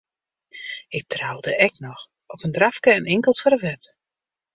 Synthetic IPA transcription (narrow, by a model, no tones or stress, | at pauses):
ɪk̚trawdəʔɛknɔx | ɔpəndrafkəənɪŋkəlˠtfɔɾəʋɛt